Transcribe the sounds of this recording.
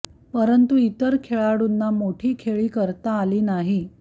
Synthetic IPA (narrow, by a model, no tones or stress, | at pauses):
pəɾənt̪uit̪əɾkʰeɭaɽunːamoʈʰiːkʰeɭiːkəɾt̪aːliːnaɦi